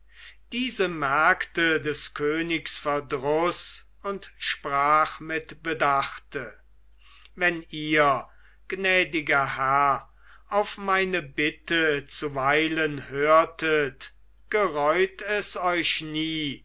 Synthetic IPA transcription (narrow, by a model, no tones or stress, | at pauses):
d̥iːzəmɛɐktədɛskʰøːnɪksfɛɐdʁʊs | ʊntʃpʁaːχmɪtb̥ədaχtə | vɛniːɐ | ɡ̥nɛːdɪɡɐhæɐ | ʔaʊfmaɪnəbɪtət͡suvaɪlənhøːɐtʰət | ɡ̥əʁɔʏtɛsɔʏʃniː